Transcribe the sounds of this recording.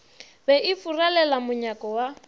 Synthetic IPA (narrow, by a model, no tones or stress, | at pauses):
bɛʔɪfuralɛlamʊɲakʼɔwa